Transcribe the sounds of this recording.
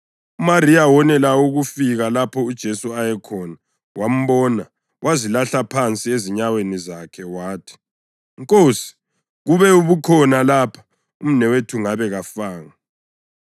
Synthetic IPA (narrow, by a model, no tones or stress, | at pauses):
umaɾiawɔnɛlauɣufiɣalapʰɔud̥ʒ̥ʱesuajɛkʰɔːna | wʔam̩βɔːna | wʔazilaɬapʰant͡sʼieziɲawenizakʰɛwaːtʰi̥ | ŋkʼosi̥ | ɣuβɛuβukʰɔnalapʰḁ | um̩nɛwetʰuŋaβɛɣafaːŋa